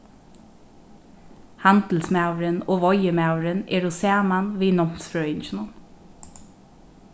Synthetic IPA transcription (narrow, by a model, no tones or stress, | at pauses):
hant̪l̩smawɾɪnoːʋɔjəmawɾɪnɛɹʊsæːmanʋiːnɔm̥sfɹœːɪɲt͡ʃɪnʊn